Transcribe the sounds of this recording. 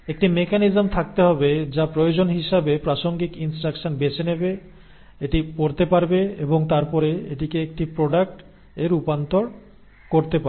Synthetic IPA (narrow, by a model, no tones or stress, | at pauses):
ek̚ʈimekanizmt̪ʰak̚t̪eɦɔbed͡ʑapɾojod͡ʑonɦiʃabepɾaʃoŋɡikinsʈɾakʃonbet͡ɕenebe | eʈipoɾt̪epaɾbeeboŋt̪aɾpɔɾeeʈikeek̚ʈipɾoɖak̚ʈ | eɾupant̪oɾ | koɾt̪epae